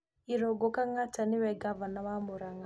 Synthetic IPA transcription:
iɾɔɡɔkaŋatanɪwɛɡavanaβamoɾaŋa

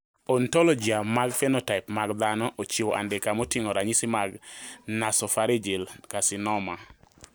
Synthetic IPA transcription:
ɔntɔlɔd͡ʒiamaɡfɛnotaɪpmaɡd̪anɔʔot͡ʃioʔa̰ndɛkamotiŋɔɾaɲisimaɡnasɔfaɾid͡ʒilkasɪnɔma

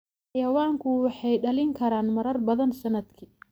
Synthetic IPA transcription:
ħɑjɐwaːŋkʰʊwɑħɑjɖɐlɪŋkʰɐɾaːnmɐɾɐrbɐðɐnsɐnɐd̪kʰiː

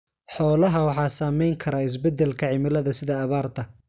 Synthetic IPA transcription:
ħɔːlɐɦɐwɑħɑːsaːmɛjŋkʰɐɾaːɪs̬bɛd̪ːɛlkʰɐʕɪmɪlɐðɐsɪðɐːβaːrt̪ʰɐ

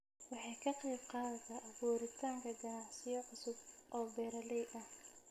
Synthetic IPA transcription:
wɑħɑjkʰɐqɛjb̚qɑːðɐt̪ʰɐʔɐβuːɾɪt̪ʰaːŋkʰɐɡɐnɑʕsɪjɐʕʊsʊbʔɔːbɛːɾɐlɛjɐh

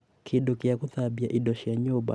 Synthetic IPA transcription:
kʰiɗukiakuθabiaʔiɗɔʃiaɲɔba̰

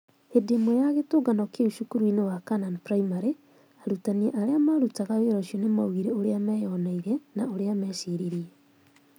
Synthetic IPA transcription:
hedemojaɣetoɡanɔkeuʃukuɾwinewakananpɾaimaɾe | aɾutaniɛʔaɾeamaɾutaɣaweɾɔʃjɔnema̰uɣiɾeoɾeamɛjɔnaiɾɛnaoɾeamɛːʃiɾiɾiɛ

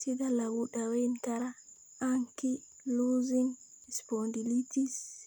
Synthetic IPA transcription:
sidalawuɗawentaɾa | aŋki | luziŋ | ɛspɔndilitis

